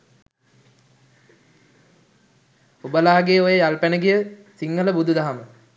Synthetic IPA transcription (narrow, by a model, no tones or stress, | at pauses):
ubəlaːɡeojəjalpænəɡijəsiŋɡələbud̪ud̪aɦamə